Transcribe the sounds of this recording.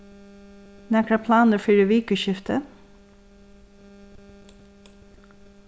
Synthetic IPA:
nɛkɽɑpʰlɑːnəfiːɖʉːʋiːkʉʃɪft̪ʰə

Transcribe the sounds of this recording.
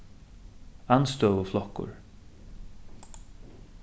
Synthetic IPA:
anst̪oːvəflɔhkʊ̰ɹ

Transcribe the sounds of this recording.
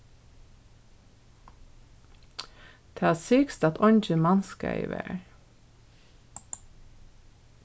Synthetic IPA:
t̪ʰeɑsiːkst̪ɑt̪ʰɔɲd͡ʒəmɑnskɑ̰ɪ̰ʋḛɹ

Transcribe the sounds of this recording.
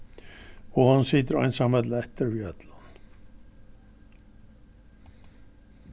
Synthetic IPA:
ɔhansɪːt̪̬ɪɾa̰jnsamɛt̪lɛht̪əɾviœt̪lan

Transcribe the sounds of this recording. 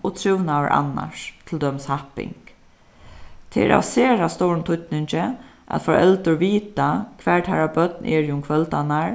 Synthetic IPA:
ot̪ʰɹɪwnawə̰ɾʔa̰na̰ʂt̪ʰɪld̪œmshahpɪ̰ŋk | t̪ʰeɛ̰ɾʔa̰wseːɹast̪owɹnt̪ʰʊt̪nɪɲt͡ʃɪʔa̰t̪fɔɾɛlt̪ʊɹʋiːt̪akʰʋɛːɹʈ̪haɹabœt̪nʔɛːɹjʊmkʰʋœlt̪anaɹ

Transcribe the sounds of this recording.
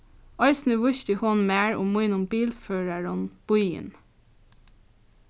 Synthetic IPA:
ɔɪsnɪʋʊʃt̪ɪhɔnmæːɹʊ̰mːujnʊmbiːlføːɹaɹʊnb̥ʊjə̰n

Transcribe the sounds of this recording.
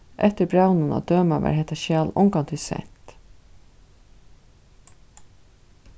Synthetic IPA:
ʔɛt̪ɪɾbɾawnʊna̰d̪øːmavæ̰ːɾhɦɛht̪ːaʃjaːlɔ̰ŋkant̪ʰɪlsɛ̰n̥t̪

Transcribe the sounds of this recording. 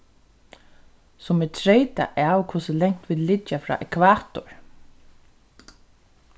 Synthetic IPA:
sʊmɪt̪ʰɾejt̪a̰ʔaːwkʰʊsɪlɛŋ̥t̪ʋiːd̪lɪt͡ʃːafɾa̰ːʔɛkʰvaːt̪ʊɹ

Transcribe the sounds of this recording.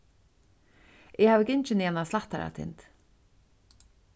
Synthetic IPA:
ɛhaːvɪcɪɲt͡ʃɪnianaslaht̪aɾa̰t̪ʰɪ̰nt̪

